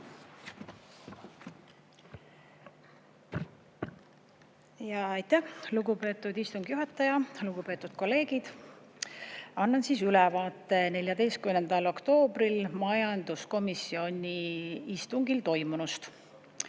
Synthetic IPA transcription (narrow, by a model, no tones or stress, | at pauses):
jɑɑjt̪ːæhluɡupe̞ːt̪ːˑud̪ist̪uŋɡ̥juɦɑt̪ːˑɑjɑluɡ̥upe̞ːt̪ːˑud̪̥̚ko̞lːe̞ːɡ̥id̪̥ | ɑnːɑnsiːsylɛvɑːt̪ːˑe̞ne̞lʲjɑd̪e̞jst̪̚kymnːend̪ɑlo̞kt̪o̞ːbrilmɑjɑnd̪usko̞misio̞nʲiist̪uŋɡilt̪o̞jmunust̪